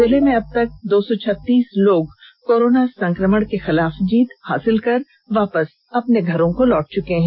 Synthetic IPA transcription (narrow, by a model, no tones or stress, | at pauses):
zɪlemẽɐb̚t̪ɐk̚d̪oːsɔt͡ʃʰɐt̪ːiːsloːɡkoːɾoːnasɐ̃ŋkɾəməɽ̃kexɪlaːfd͡ʒiːt̪ha̰ːsɪlkɐɾ | ʋaːpəs | ɐpneɡʱɐɾõkolɔːʈ̚t͡ʃʊkeɦɛ̃ː